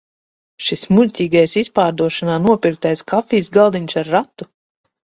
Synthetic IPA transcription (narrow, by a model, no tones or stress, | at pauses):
ʃismulʲtʲiːɡajsispaːɾd̪uɔʃanaːnuɔpʲiɾk̚t̪ajskʰafiːsɡalˠd̪iɲʲsaɾːat̪ːu